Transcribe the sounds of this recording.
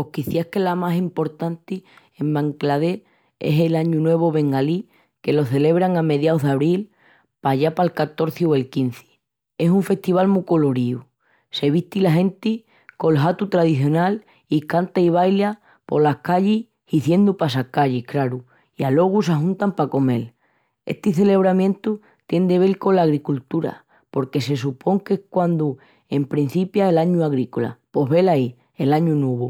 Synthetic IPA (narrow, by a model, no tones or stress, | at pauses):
ohkiθjahkelamasimpo̞ɾt̪ant̪iembãŋklaðe̞ | ḛselaɲunwe̞β̞o̞βe̞ŋɡali | ke̞lo̞θe̞le̞β̞ɾaŋame̞ðjaoɦðaβɾil | paʎapalkat̪o̞ɾθioe̞lkin̟θi̥ | e̞suɱfe̞ht̪iβ̞almuko̞lo̞ɾiu | se̞βiht̪ilaɦẽ̞nt̪i | ko̞lɦat̪ut̪ɾaðiθjo̞nal | ikant̪aiβ̞ajlja | po̞lakaʎi | hiθje̞nd̪upas̬akaʎihkɾaɾu | ialo̞ɣ̞us̬aɦũnt̪ampako̞me̞l | e̞̰ht̪iθe̞le̞β̞ɾamjent̪u | t̪je̞nd̪e̞β̞e̞lko̞laɣɾikult̪uɾa̰ | po̞ɾke̞se̞s̬upʰo̞ŋke̞hkwand̪u | e̞mpɾin̟θipjaelaɲuaɣɾikola̰po̞ɦβe̞lai | e̞laɲunuβ̞u